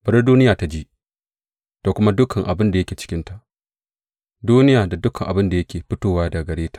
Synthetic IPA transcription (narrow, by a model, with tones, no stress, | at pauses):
bɐ˨ɾi˦duː˦nɪ˦jaː˨ta˦d͡ʒiː˦ʔ | toː˨kʷʊ˦ma˦dʊ˦kʰɐ˨ŋʔa˨bɪ˦nda˨jɐ˦kʲeː˨t͡ʃɪ̥˦kʲɪ˦nta˨ʔ | duː˦nɪ˦jaː˨da˨dʊ˦kɐ˨ŋʔa̰˨bɪ˦nda˨jɐ˦kʲeː˨ɸɪ˦toː˦waː˦da˨ɡɐ˨ɽeː˦tḁ˦˨ʔ